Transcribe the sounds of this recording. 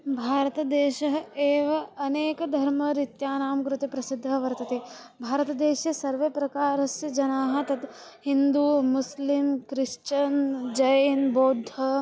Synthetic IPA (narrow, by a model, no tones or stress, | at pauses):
bʱaːɾɐt̪ɐd̪eːʃɐɦɐeːʋɐɐneːkɐd̪ʱɐɾmɐɾit̪jaːnaːmkɾut̪epɾɐsid̪ʱːɐʋɐɾt̪ɐt̪eːbʱaːɾɐt̪ɐd̪eːʃjɐsɐɾʋepɾɐkaːɾɐsjɐd͡ʒɐnaːɦɐ̆t̪ɐt̪hind̪uːmuslimkɾɪʂt͡ʃɐnd͡ʒɐjnboːd̪ʱɐ